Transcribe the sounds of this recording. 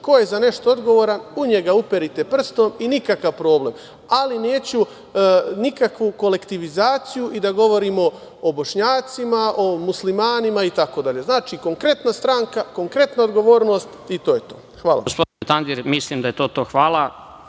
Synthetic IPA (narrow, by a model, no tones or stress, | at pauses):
ko̞je̞zane̞ʃt̪o̞od̪ɡo̞ʋoːɾanuɲe̞ɡaupeɾit̪e̞pr̩st̪o̞minikakaʋpɾo̞ːble̞m | alineːt͡ɕu | nikakʋuko̞le̞kt̪iʋizaːt̪sijuʔid̪aɡo̞ʋo̞ɾimo̞ː | bo̞ʃɲaːt̪simaʔo̞muslimaːnimait̪ako̞d̪aʎe̞znaːt͡ʃiko̞ŋkɾe̞t̪nast̪ɾaːŋkako̞ŋkɾe̞t̪naod̪ɡo̞ʋo̞ːɾno̞st̪it̪o̞ːjet̪o̞̰ːxʋaːla̰ospod̪net̪and̪iɾmislimd̪ajet̪o̞ːt̪oːxʋaːlˠa